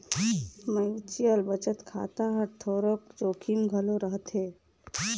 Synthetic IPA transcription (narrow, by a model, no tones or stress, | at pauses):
məjt͡ʃijəlbət͡ʃət̪kʰa̰t̪aɦəɾt̪ʰoɾokd͡ʒokʰimɡʱəloɾəɦət̪ɦe